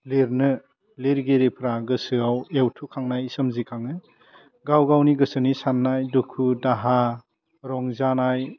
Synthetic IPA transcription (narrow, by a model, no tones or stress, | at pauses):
leɾnɯ | leɾɡeɾipʰɾaɡɯsɯawewtʰukʰaŋnajisɯmzikʰaŋɯ | ɡawɡawniɡɯsɯnisanːajdukʰudaɦa | ɾɔŋzanaj